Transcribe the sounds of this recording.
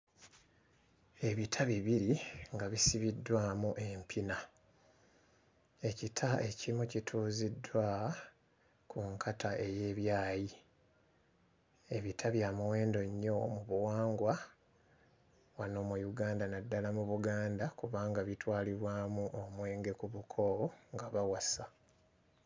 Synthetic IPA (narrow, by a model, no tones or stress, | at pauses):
e̞βitʰaβiβiɾiŋɡaβisiβidːwaːmuʔe̞mpʰina | e̞citʰae̞cimucitʰuːzidːwa | kʰuŋkʰataʔe̞je̞ːβjaːji | e̞βitʰaβjaːmuwe̞ːndo̞ɲːo̞muβuwaːŋɡwa | wano̞ːmujuɡaːndanadːalamuβuɡaːndakuβaːŋɡaβitwaːliɾwaːmuʔomwe̞ːŋɡe̞kuβukʰo̞ŋɡaβawasa